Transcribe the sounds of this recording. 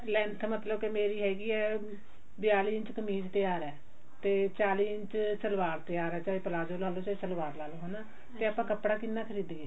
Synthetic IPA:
lɛ̃ːnt̪ʰmət̪ləbkemeːɾiːɦɛːɡiːɛː | bɪjaːliːɪnt͡ʃkəmiːd͡ʒt̪ɪjaːɾɛː | t̪eːt͡ʃaːliːɪɲt͡ʃsəlʋaːɾt̪ɪjaːɾɛːt͡ʃaːiːpəlaːd͡ʒoːlaːloːt͡ʃaːiːsəlʋaːɾlaːloɦoːnaː | t̪eːapãːkəpɽaːkɪnːaːkʰəɾiːd̪eeː

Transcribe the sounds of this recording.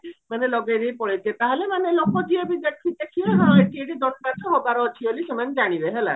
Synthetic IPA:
manelɔɡeɾipɔɭet̪et̪aɦelemanelokɔd͡ʒiebid̪eʈʰɾit̪ekʰieɦɔ̃eʈieʈid̪ɔnmat̪ʰɔɦobaɾɔːt͡ʃʰibeliʃemand͡ʒaɽ̃ibeɦela̰

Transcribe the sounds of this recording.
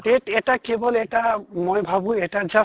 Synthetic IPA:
ɖeʈɛʈakebɔlɛʈamojbʱabueʈad͡ʒa

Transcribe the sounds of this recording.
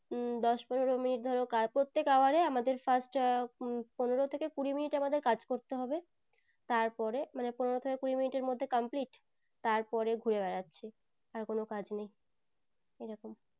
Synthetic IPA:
d̪ɔʃponeɾominiʈ̚d̪ʱɔɾokapɾot̪ːekaoaɾeamad̪eɾfasʈ | poneɾot̪ʰekekuɾiminiʈamad̪eɾkad͡ʑkoɾt̪eɦɔbe | t̪aɾpɔɾemaneponeɾot̪ʰekekuɾiminiʈeɾmod̪ʱːekampliʈ | t̪aɾpɔɾeɡʱuɾebɛɾatːɕʰe | aɾkonokad͡ʑnej | eɾɔkom

